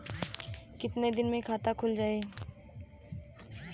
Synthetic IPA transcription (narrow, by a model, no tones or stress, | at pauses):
kɪt̪ned̪ɪnmẽkʰaːt̪akʰʊld͡ʒaːe